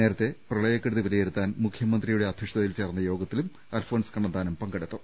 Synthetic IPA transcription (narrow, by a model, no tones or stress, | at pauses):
ne̞ːɾɐt̪ːe̞prɐɭɐjɐkːeɽuðiʋɐlijeɾut̪ːaːnmukʰjɐmɐnd̪rijuɽe̞ɐd̪ʱiʂt̪ɐðilt͡ɕe̞ːrnːɐjo̞ːɡɐt̪ːilum | aːlfo̞ːnskɐɳɖɐnd̪aːnumpɐŋɡɐɽet̪ːu